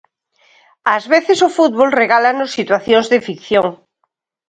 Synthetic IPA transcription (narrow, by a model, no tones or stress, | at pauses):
azβeθɪsʊfut̪βolreɣalanosːit̪waθjoŋzðɪfikθjoŋ